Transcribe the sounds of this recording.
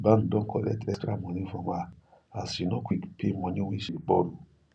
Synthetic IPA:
ban̩dɔ̃ŋ̩kɔlɛtɛstɾamɔ̃nĩfɔ̃ma | asinɔ̃kʷikpʰemɔ̃nĩwĩʃik͡pɔɾu

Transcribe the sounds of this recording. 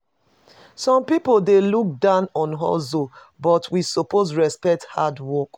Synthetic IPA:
sɔ̃mpipoldeluk̚dãʊnɔ̃nɦɔ̰zo | bɔtwisopozɹɛspɛk̚thadwɔk

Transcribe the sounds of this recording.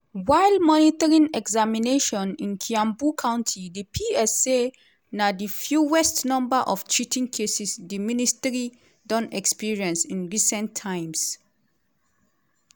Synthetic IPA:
waɪlmɔnitaɹĩŋɛɡzamineʃɔ̃nĩnkʰiãmbukʰãʊ̃ntʰidipʰiɛse | nadifjuwɛstnɔ̃mbaʔɔft͡ʃitʰĩŋkʰesisdiministəɹi | dɔ̃nɛkspiɹiɛ̃nsĩnɹisɛ̃ntʰːãɪ̃ms

